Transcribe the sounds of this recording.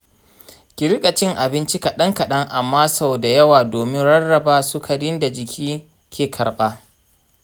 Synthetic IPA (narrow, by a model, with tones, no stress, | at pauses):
kʲɪ˨ɾɪ˦kʼɐ˨t͡ʃɪ˦ŋʔa˨bɪ˦nt͡ʃi˦kɐ˨ɗɐ˦ŋkɐ˨ɗɐ˦ŋʔa˨mːaː˦sa˦˨wda˨jɐ˦waː˨doː˨mɪ˦ŋɽɐ˦rːɐ˨baː˦sʊ˦kʰɐ˨dɪ˦nda˨d͡ʒɪ˨kʲʰiː˦ | kʲeː˨kʰɐ˨ɾɓaː˦